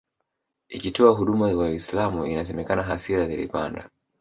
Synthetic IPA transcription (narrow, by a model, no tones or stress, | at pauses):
ikitɔaɦuɗumakaislamuinas̬ɛmɛkanaɦasiɾazilḭpa̰nda̰